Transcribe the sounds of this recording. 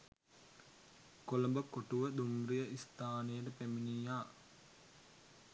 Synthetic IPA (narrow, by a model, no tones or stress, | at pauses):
koləmbəkoʈuʋəd̪umɾijəʔist̪aːnəjəʈəpæminiːjaː